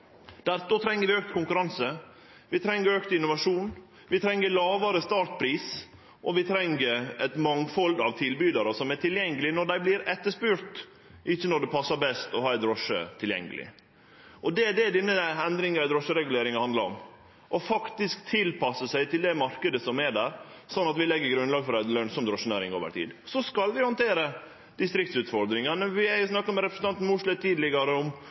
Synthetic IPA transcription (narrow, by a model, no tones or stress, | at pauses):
d̪̥æɾt̪ɔt̪ʰɾɛŋːəɾʋɪøːk̚t̪kʊŋkʉɾɑnsə | ʋɪt̪ʰɾɛŋːəɾøkt̪ɪnʊʋɑʂuːn | ʋɪt̪ʰɾɛŋːəlɑːʋɑɾəst̪ɑːʈ̪̚pʰɾiːs | ʔɔʋɪt̪ʰɾɛŋəɾɛt̪mɑŋfɔld̪ɑʋt̪ʰɪlbyːd̪ɑɾəsɔmæʈʰɪljɛŋːəlɪnɔɖ̪æɪblɪɾɛt̪ːəʂpʉɾt̪ | ʔɪçːənɔɖ̪ɛpʰɑsːɑɾbɛst̪ɔhɑːɾd̪ɾɔʂə̰t̪ʰɪljɛ̰ŋːəlɪ̰ | ʔɔd̪ɛɖ̪ɛdɪnːəɛnd̪ɾɪŋɑɾɛd̪ɾɔʂːəɾɛɡʉleːɾɪŋɑhɑnd̪lɑɾɔ̰m | ʔɔfɑkt̪ɪskt̪ʰɪlpʰɑsəsæɪt̪ʰɪld̪ɛmɑɾkəd̪əsɔmɛɖæːɾ | sɔnːɑt̪ʋɪlɛɡːəɾɡɾʉnlɑːɡfɔɾlœnsɔmd̪ɾɔʂənæːɾɪŋoːʋə̰ɾʈ̪ʰḭːd̪sɔskɑld̪ɪhɑnt̪ʰeːɾə | d̪̥ɪst̪ɾɪk̚t̪sʉːt̪fɔɾd̪ɾɪŋɑnəʋɪhæjsnɑkːəmɛɾɛpɾəsn̩t̪ɑnt̪n̩muːʂɭət̪ʰiːd̪lɪɡɑɾəɔm